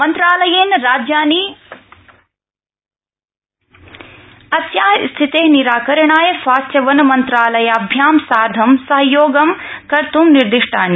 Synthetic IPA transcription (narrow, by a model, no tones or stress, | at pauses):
mɐnt̪ɾaːlɐjeːnɾaːd͡ʒjaːni | ɐsjaːst̪ʰit̪eːɦniɾaːkɐɾɐɳaːjɐʃʋaːst̪jɐʋɐnɐmɐnt̪ɾaːlɐjɐɐbʱjaːmsaːɾd̪ʱɐmsɐɦɐjoːɡɐmkɐɾt̪umniɾd̪iʂʈʰaːn